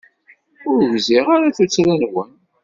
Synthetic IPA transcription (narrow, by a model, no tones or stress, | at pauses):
ʊɾwziʁaɾaθut͡sːɾænwən